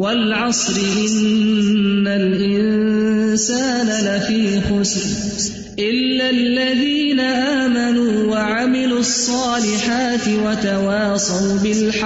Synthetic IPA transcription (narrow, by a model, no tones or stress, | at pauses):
walʕɑsˤɾɪʔɪnː | alʔɪnsaːnalafiːxʊsɾ | ʔɪlːalːaðiːnaʔaːmanuːwaʕamɪluɑsˤːɑːlɪħaːt̪ɪwat̪awɑːsˤɑwbɪlħ